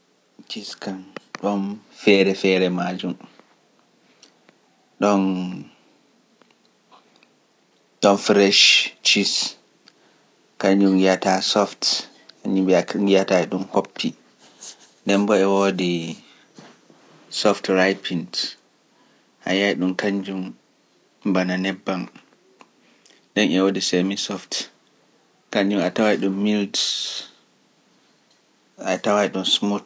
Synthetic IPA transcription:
t͡ʃiskanɗɔnfɛɾɛfɛɾɛmad͡ʒum | ɗɔn | ɗɔnfɾɛʃt͡ʃis | kaɲːumjatasɔft | kaɲumbiajataɛɗunhopːi | dɛmbɔɛwodi | sɔftɾajpʰind | ʔa̰jaiɗumkaɲd͡ʒum | bananɛbːam | ɗɛnɛwodisemisɔft | kaɲd͡ʒumatawajɗumːild | ʔatawajɗumsmut

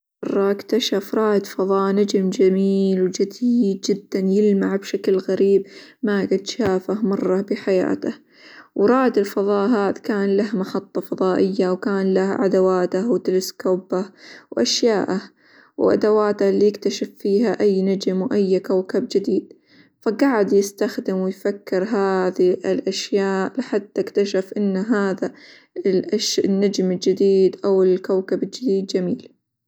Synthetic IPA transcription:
ɑrˤːɑʔɪkt̪aʃafɾˤɑːʔd̪fɑðˤɑːʔnad͡ʒmd͡ʒamiːlwd͡ʒɪd̪iːd̪̚d͡ʒɪd̪ːanjɪlmaʕbʃaklɣaɾiːbmaɡad̪ʃaːfahmɑrˤːɑbɪħaja̰ːt̪ah | wɾˤɑːd̪ɪlfɑðˤɑːʔɦaːðkaːnlahmaħɑt̪ˤːɑfɑðˤɑːʔɪjːawkaːnlahʕa̰d̪awaːt̪ahwt̪ɪlɪskoːbahwʔaʃjaːʔah | wʔa̰d̪awaːt̪ahlijɪkt̪aʃɪfːiːɦaʔajːnad͡ʒmwʔajːkawkabd͡ʒɪd̪iːd̪̥̚ | faɡaːʕɪd̪jɪst̪axd̪ɪmwɪjfakːɪɾɦaːðiɪlʔaʃjaːʔlɪħad̪t̪ːɪkt̪aʃafʔɪnːɦaːða | lʔaʃnːad͡ʒmɪld͡ʒɪd̪iːd̪ʔawɪlkawkabɪld͡ʒɪd̪iːd̪̚d͡ʒamiːl

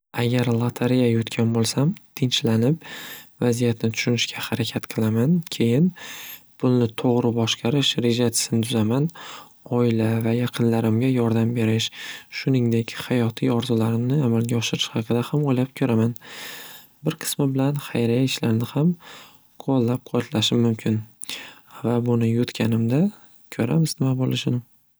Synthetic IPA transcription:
aɡʲaɾlˠat̪ʰaɾijajʊt̪kʲʰanbolˠsamt̪ʰɪnt͡ʃlanɪpvazijat̪nɪt̪ʰʊ̥ʃʊnɪʃkʲʰahaɾakʲʰat̪qʰɨlˠamankʲʰe̞jɪnpʰʊlˠnɪt̪ʰoʁɾɪbɒʃqɑɾɪʃɾe̞ʒat͡ʃ̪ʰɪ̥sɪnɪt̪ʰʊzaman | ɒɪlavajaqʰɨnlaɾɪmɡʲajɒɾd̪ambe̞ɾɪʃʃʊnɪŋd̪e̞kʲhajɒt̪ʰijɒɾzʊlaɾɪmnɪamalɡʲaɒʃɪɾɪʃhɑqʰɨd̪ahamojlap̚kʲʰɵɾaman | bɪɾqʰɨ̥smɪbɪlanχajɾajaɪʃlaɾnɪham | qʰolˠːap̚qʰɒt̪laʃɪmːʊmkʲʰɪn | vabʊnɪjʊt̪kʲʰanɪmd̪a | kʲʰɵɾa̰mɪznɪmabolˠɪʃɪnɪ

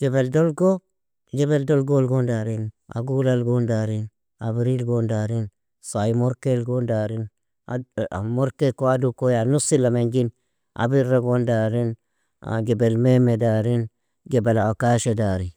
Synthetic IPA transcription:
d͡ʒ̥ebeldolɡo | d͡ʒebeldolɡolɡondaɾina̰ɡulalɡondaɾin | a̰biɾilɡondaɾin | sajimoɾkelɡondaɾin | a̰a̰moɾkekoadukojanusilameŋɡin | a̰biɾːaɡondaɾin | a̰ɡebelmemedaɾin | ɡebelaakaʃedaɾi

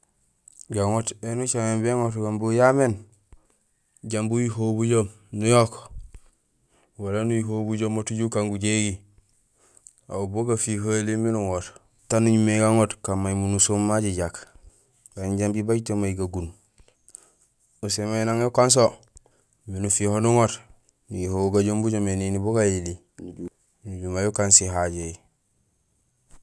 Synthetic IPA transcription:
ɡaŋotenut͡ʃamembeŋotɡambujamen | ɟambujiɦobuɟom | nujok | walanujiɦobuɟomotuɟukaŋɡuɟeɡi | a̰uboɡafihaliminuŋot | tanuɲumeɡaŋotkamːaimunusomːaɟiɟak | b̥aɲɟambibaɟtomaiɡaɡun | us̬emainaŋekons̬o | minufihonuŋot | nujihoɡaɟombuɟomeniniboɡajili | nuɟumajukansiɦaɟej

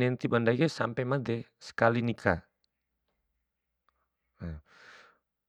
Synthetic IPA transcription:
ɛnt̪ibandaɡɛsampɛmad̪ɛ | sə̥kalinikʰa̰

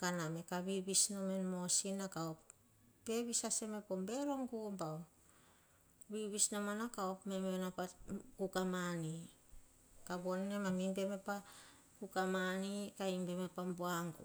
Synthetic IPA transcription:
kaname̞kaβiβisno̞menmo̞sinakaopː | e̞βisaseme̞pombe̞ɾoŋɡumbao | βiβisnomanakaopme̞menapakukamani | kabonnemamimbe̞me̞pa | kukamanikaimbe̞me̞pambuaŋɡṵ

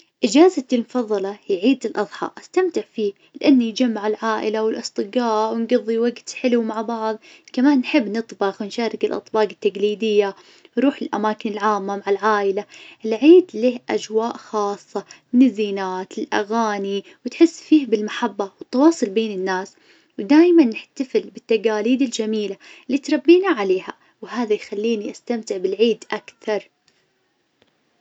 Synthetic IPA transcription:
ʔɪd͡ʒaːzat̪ɪlmʊfɑðˤːɑlɑjʕiːd̪ɪlʔɑðˤħɑ̰ʔast̪amt̪ɪʕfiːh | lɪʔanːjd͡ʒamːaʕɪlʕaːʔɪ̰lawɪlʔɨsˤt̪ˤɨɡɑːʔwɪnɡɨðˤːiwaɡt̪ħɪlumaʕbɑʕðˤ | kamaːnːħɪbːnɨt̪ˤbɑxwnʃaːɾˤɪkɪlʔɑ̰t̪ˤbɑːqɪt̪ːaɡliːd̪ɪjːa | wɾˤuːħɪlʔa̰maːkɪnɪlʕaːmːamaʕɪlʕaːʔɪlalʕiːd̪leːhʔa̰d͡ʒwaːʔxɑːsˤːɑ | ɪnɪzːiːnaːt̪ɪlʔa̰ɣaːniwt̪ħɪsːfiːhbɪlmaħabːɑwɪt̪ːɑwɑːsˤʊlbeːnɪnːaːs | wd̪aːjmanːɪħt̪afɪlbɪt̪ːaɡaːliːd̪ɪld͡ʒamiːlaɪlːiːt̪ɾˤɑbːiːnaʕaleːha | wɦaːðajxalːiːniʔast̪amt̪ɪʕbɪlʕiːd̪ʔakθɑɾˤ

